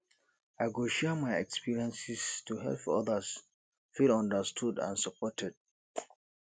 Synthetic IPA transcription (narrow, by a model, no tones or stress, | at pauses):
aɪɡoʃɛmajɛkspʰiɹiɛ̃nsistuɦɛ̰lpɔ̰ðəs | filɔ̃ndəstʰudã̰nsəpʰɔtʰɛd̥̚